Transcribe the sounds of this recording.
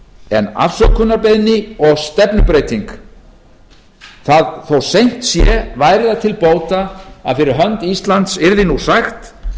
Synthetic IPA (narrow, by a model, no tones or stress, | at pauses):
ɛna̰fsœkʰʏnaɾpɪðnɪɔɣst̪ɛpnʏpɾejt̪iŋk | θaðθowsejn̥t̪sjɛvaːjɾɪðat̪ʰɪlpoːwt̪aaðfɪɾɪɾɦœnt̪ist̪lant̪sɪɾðɪnusaxt̪